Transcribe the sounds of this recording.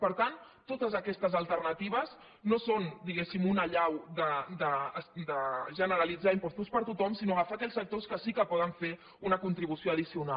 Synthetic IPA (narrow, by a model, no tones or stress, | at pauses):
pəɾt̪ant̪ːot̪əzəkɛst̪əzəlˠt̪ərnət̪iβ̞əz | nosond̪iɣesimunəʎawd̪əd̪əsd̪əʒənəɾəlid͡zaimpust̪uspəɾt̪ut̪ɔmsinoɣəfaːkɛʎsək̚t̪oskəsikəpɔðəɱfe | unəkunt̪ɾiβusioəðisiuna